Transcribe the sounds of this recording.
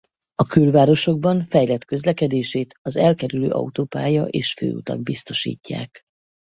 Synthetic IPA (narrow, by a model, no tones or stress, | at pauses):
ɒkylvaːɾo̞ʃo̞ɡ̚bɒɱfɛjlɛt̪kø̞zlɛkɛd̪eːʃeːt̪ɒzɛlkɛɾyløːʔɒ̰ut̪oːpaːjɒʔeːʃfø̰ːṵt̪ɒ̰ɡ̚bist̪o̞ʃḭːcːa̰ːk